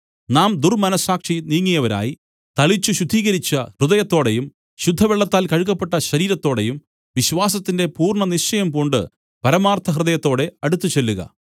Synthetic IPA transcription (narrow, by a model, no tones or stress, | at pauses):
naːmd̪urmɐnɐsaːkʂiniːŋːijɐʋɐɾa̰ːji | t̪ɐɭit͡ɕːuɕud̪ʱːiːɣɐɾit͡ɕːɐhrɨðɐjɐt̪ːo̞ːɽe̞jum | ɕud̪ʱːɐʋeɭːɐt̪ːaːlkɐɻkːɐpːe̞ʈːɐɕɐɾiːɾɐt̪ːo̞ːɽe̞jum | ʋiɕʋaːsɐt̪ːinde̞puːrɳɐnit͡ɕɐjɐmkoɳɖɨ̰ | pɐɾɐmaːrt̪ʰɐɦrɨðɐjɐt̪ːo̞ːɽe̞ɐɽut̪ːut͡ɕe̞lːuɣɐ̰